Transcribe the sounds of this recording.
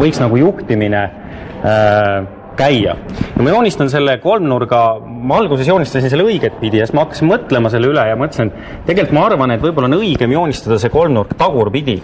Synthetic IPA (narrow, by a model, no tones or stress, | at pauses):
vɤjksnɑɡ̥ujuht̪imine | kæjːɑ̰jɑmɑjo̞ːnʲist̪ɑns̬e̞lːeko̞lmnurɡ̥ɑ | mɑɑlɡ̥use̞s̬jo̞ːnʲist̪ɑns̬inse̞lːɤjɡ̥et̪̚ːˑpid̪iest̪mɑɑkːɑ̥sinmɤt̪ːˑle̞mɑselːeylejɑmɑmɤt̪ːˑsen | t̪e̞ɡe̞lt̪mɑɑrvɑnet̪ːˑvɤjbo̞lːɑonɤjɡ̥e̞mjo̞ːnʲist̪ɑd̪ɑse̞ko̞lmnurkt̪ɑɡ̥urpid̪̥ʲi